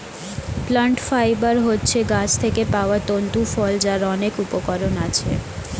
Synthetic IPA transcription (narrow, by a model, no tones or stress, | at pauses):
pləɳʈfajbaɾɦotːɕʰeɡat͡ɕʰt̪ʰekepaoat̪ont̪ufɔld͡ʑaɾɔnekupokɔɾonat͡ɕʰḛ